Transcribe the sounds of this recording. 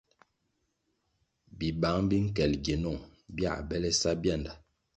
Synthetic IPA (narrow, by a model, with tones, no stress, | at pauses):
bi˨ba˨˦ŋbi˦ŋ̩˦kɛ˨lɡe˨nɔ˦˨ŋbja̰˦˨bɛ˦lɛ˦sa˦bja˦˨nda˨